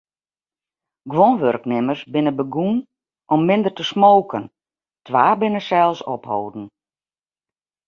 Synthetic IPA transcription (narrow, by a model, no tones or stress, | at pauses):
ɡʋonʋørknɪmərsbɪnəbəɡun | ʔɔmːɪndərtəsmoːkʰən | tʰʋaːbɪnəsɛlˠsɔphoːdn̩